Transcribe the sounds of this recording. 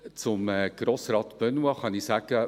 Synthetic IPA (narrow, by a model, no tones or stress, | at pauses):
t͡sʊmɛɡ̥ɾoːsrɑːt̪b̥œnwɑχɑnisæɡ̥ə